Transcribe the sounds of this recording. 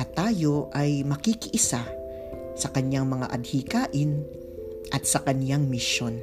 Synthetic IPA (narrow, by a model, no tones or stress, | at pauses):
ɐt̪aːjo̞ʔɐjmɐkikɪʔɪsa | sɐkɐnjaŋmɐŋa̰ʔɐd̪̚hikaːʔɪn | ʔɐt̪sɐkɐnjaŋmɪʃo̞n